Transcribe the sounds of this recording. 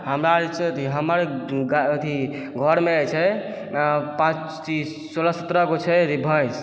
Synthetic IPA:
ɦəmɾaɾit͡ʃʰt̪ʰiɦəməɾɡaət̪ʰi | ɡʱɔɾmeəjt͡ʃʰɛ | pãt͡ʃ | t͡ʃi | soləsət̪ɾəɡot͡ʃʰɛɾibʱəjs

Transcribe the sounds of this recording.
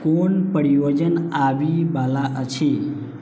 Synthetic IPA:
konpəɾijod͡ʒənabibalaʔət͡ʃʰi

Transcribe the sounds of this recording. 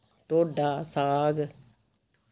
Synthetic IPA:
ʈoːɖasaːɡ

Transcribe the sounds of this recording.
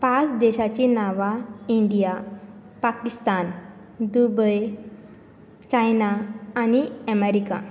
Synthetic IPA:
pat͡sd̪eɕat͡ɕinaʋaiɳɖijapakist̪an | d̪ubəj | t͡ɕajnaːñiəmeɾika̰

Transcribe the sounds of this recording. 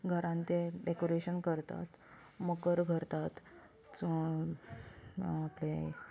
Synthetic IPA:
ɡʱəɾãnt̪eɖekoɾeɕənkəɾt̪a̰t̪ | məkəɾɡʱəɾt̪at̪ | aple

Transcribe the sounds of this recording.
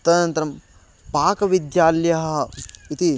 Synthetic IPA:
t̪ɐnɐnt̪ɐɾɐm | paːkɐʋid̪jaːljɐɦɐit̪i

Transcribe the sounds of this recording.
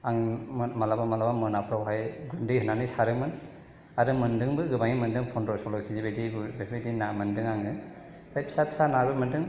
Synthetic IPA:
aŋmalabamalabamɯnapʰɾawɦajɡundɯjɦɯnanisaɾɯmɯn | aɾɯmɯndɯŋbɯɡɯbaŋimɯndɯŋpʰɔndɾɔsɔlɔjkʰizibediɡbebedinamɯndɯŋaŋɯ | bajpʰi̥sapsanabɯmɯndɯŋ

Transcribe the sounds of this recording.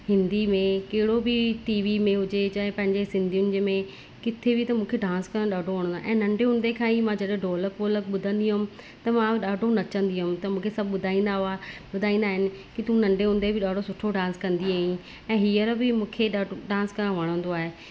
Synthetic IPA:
hɪ̃nd̪imẽkɐɦɪɽobɪʈiːʋimẽɦʊd͡ʑet͡ɕaɦpɐ̃ɦɪ̃ɲd͡ʑesɪ̃nd̪ʱijʊnɪ̆d͡ʑmẽ | kɪt̪ʰebɪt̪ɐmũːkʰeɖãːnskɐɾ̃ɗaːɖʱoʋɐɽ̃ə̃nd̪aʔɛ̃ːnɐ̃ɳɖeɦʊ̃nd̪ekʰãːimãd͡ʑɐɗɖoːləkoːlək̚ɓʊd̪ʱə̃nd̪iɦʊmɪ̆ | t̪ɐmãɗaːɖʱonɐt͡ɕə̃nd̪iɦʊmt̪ɐmũːkʰesɐbʱɓʊd̪ʱaːĩːnd̪aɦʊaɓʊd̪ʱaːĩnd̪aːɦɪnɪ̆kit̪ũnɐ̃ɳɖeɦʊ̃nd̪ebʱɪɗaːɖʱosʊʈʰoɖãːnskɐ̃nd̪iaːɦĩ | ɛ̃ːɦiːəɾbɪmũːkʰeɗaɖãːnskɐɾ̃ʋɐɽ̃ə̃nd̪oaːɦe

